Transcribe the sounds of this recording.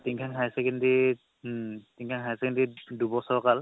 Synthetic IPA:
tiŋkʰaŋɦajsɛkinti | tiŋkʰaŋɦajsɛkʰintidubɔsɔɹkal

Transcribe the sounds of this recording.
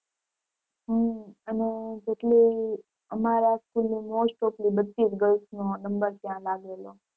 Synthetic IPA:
ɦəəned͡ʒeʈli | əmaɾaskulnimosʈʈoplibət̪ːisɡəlsnonəmbəɾt̪jãlaɡelo

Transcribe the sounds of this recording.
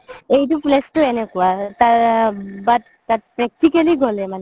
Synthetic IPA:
ejt̬uplestuenekɔwat̪a | bat̚ːat̚pɹɛk̚tikaliɡɔlɛmanɛ

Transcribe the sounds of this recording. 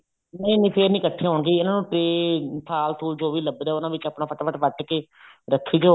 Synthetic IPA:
nə̃ĩnĩːpʰeɾnĩːkəʈʰːeːɦoːɳɡeːɪnãːnũːʈɾeːt̪ʰaːlt̪ʰuːld͡ʒoːʋiːləbd̪ɛːʊnãːʋɪt͡ʃaːpnaːpʰət̪ːʋəʈʋəʈkeː | ɾəkʰːiːd͡ʒo

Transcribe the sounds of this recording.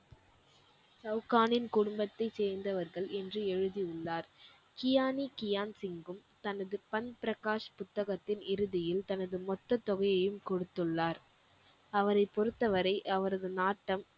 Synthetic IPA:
sɐʊkaːnɪnkʊɽʊmbɐt̪ːɐɪseːɾnd̪ɐʋɐɾɣɐɭʔɛndrɯɛɻɯðiɯɭːaːɾ | kɪjaːnikɪjaːnsɪŋɡɯmt̪ɐnɐðɯpɐnpɪɾɐkaːʂpʊt̪ːɐɣɐt̪ːɪnɪɾɯðɪjɪlt̪ɐnɐðɯmɔt̪ːɐt̪ːɔɣɐjɐjɯmkɔɽɯt̪ːɯɭːaːɾ | ɐʋɐɾɐɪpːɔɾɯt̪ːɐʋɐɾɐɪʔɐʋɐɾɐðɯnaːʈːɐm

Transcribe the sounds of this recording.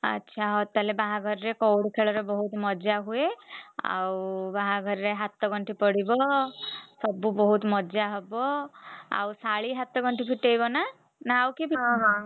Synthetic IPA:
ə̰tːʃʰaɦɔt̪ːaɦlebaɦãɡʱɔɾɾekɔwɽkʰeɭɔɾɔbɔɦut̪mɔd͡ʒaɦuea̰wbãɦãɡʱʌɾɾeɦat̪ːɔɡɔɳʈʰipɔɽibɔ | sɔbubɔɦut̪mɔd͡ʒaɦɔbɔa̰wsaɭiɦat̪ːɔɡɔɳʈʰipʰiʈejbɔna | naawkepʰi

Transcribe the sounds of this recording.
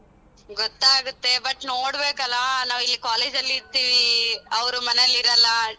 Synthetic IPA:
ɡɔt̪ːaːɡut̪ːe̞bɐʈːnoːɽbeːkɐlːɐnaːʋilːikaːleːd͡ʒɐlːiɾt̪iːʋiɐʋɾumɐnelːiɾɐlːɐ

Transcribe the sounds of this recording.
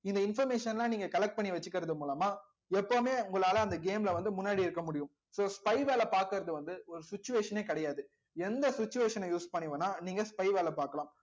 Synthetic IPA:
ɪnd̪ɐɪnfɐɾmeːʂɐnlãːniːŋɡɐkɐlɐk̚ʈ̚pɐɳːiʋɐt͡ʃːɯk̬ːɪɾɐðɯmuːlɐmaː | ɛpːoːmeːʊŋɡɐɭaːlɐːnd̪ɐɡeːmlɐʋɐnd̪ɯmʊnːaːɽiɪɾɯkːɐmʊɽɪjɯm | soːspɐɪʋeːlɐpaːɾkɐɾɐðɯʋɐnd̪ɯɔɾɯsɪt͡ʃːʊʋeːʂɐneːkɐɽɐjaːðɯ | ɛnd̪ɐsɪt͡ʃːʊʋeːʂɐnɐjuːspɐɳːɪʋɐnːaːniːŋɡɐspɐɪʋeːlɐpaːɾkɐlaːm

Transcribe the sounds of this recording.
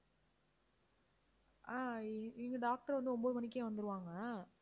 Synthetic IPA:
aːiːŋɡɐɖaːk̚ʈɐɾʋɐnd̪ɯɔmboːðɯmɐnɪk̬ːẽːʋɐnd̪ɯɾɯʋaːŋɡɐ

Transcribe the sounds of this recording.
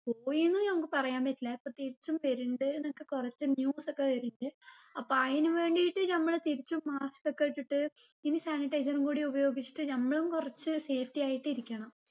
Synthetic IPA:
poːjinːunɐmɐkːɨpɐrɐjaːmpɐtːilːɐipːoːt̪iɾit͡ɕːumʋɐɾuɳɖɨenokːɨkurɐt͡ɕːɨnjuːsokːe̞ʋɐɾuɳɖɨɐpːoɐðinumʋe̞ːɳɖijiʈːɨnɐmːɐɭet̪iɾit͡ɕːumːaːrskekːe̞iʈːiʈːɨ | inːɨsaːniʈːɐjs̬ɐrumkuːɽiubɐjo̞ːɡit͡ɕːi̥ʈːɨnɐmːɐɭumkurɐt͡ɕːɨse̞ːfʈijaːjiʈːiɾikʲːɐɳɐm

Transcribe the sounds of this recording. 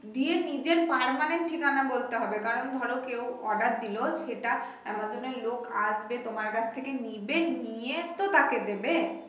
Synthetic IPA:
d̪ienid͡ʑeɾpaɾmaneɳʈʈʰikanabolt̪eɦɔbekaɾond̪ʱɔɾokewɔɖaɾd̪iloʃeʈa | ɛmad͡ʑonelokaʃbet̪omaɾkat͡ɕʰt̪ʰekenibenijet̪ot̪aked̪ebe

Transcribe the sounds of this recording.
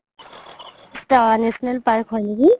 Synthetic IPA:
stanɛsnɛlpaɹkɦɔjniki

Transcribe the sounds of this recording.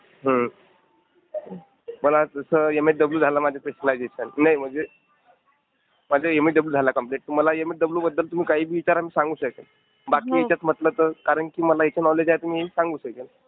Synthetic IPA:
ɦə | məlaəsəemeʈ̚ɖəbljuːd͡zʱalamad͡ʑʱaspeɕelajd͡zeɕənːajm̤əɳd͡ze | mad͡ʑʱjaemeɖəbljud͡zʱalakəmpleʈ̚t̪um̤əlaemeʈ̚ɖəbljuːbəd̪ːəlt̪um̤iːkaɦiːbʱiːʋit͡ɕaɾamiːsãŋɡuːɕəkel | bakiːet͡ɕjat͡sm̤əʈ̪lət̪əɾkaɾəɳkiːməlaet͡ɕanɔled͡ʑajt̪um̤iːɦesãŋɡuːɕəkel

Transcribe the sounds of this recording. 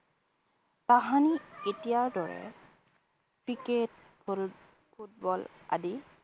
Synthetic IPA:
taɦanietijaɹdɔɹɛ̰ | pʰɹiket̚ | pʰut̚bɔl | a̰di

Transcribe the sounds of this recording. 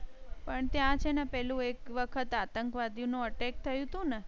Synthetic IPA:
pəɳt̪jãt͡ʃʰenepɛɦlũekʋəkʰət̪at̪əŋkʋad̪junũəʈek̚t̪ʰəjũt̪ũne

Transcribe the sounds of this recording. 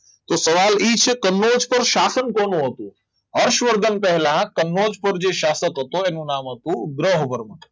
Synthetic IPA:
t̪osəʋalit͡ʃʰekənːod͡ʒpəɾʃasənkonũɦət̪ũ | ɦəɾʃʋəɾd̪ʱənpɛɦlãkənːod͡ʒpəɾd͡ʒeʃasət̪ɦət̪oenũnamɦət̪ũɡɾəɦbʱəɾmə

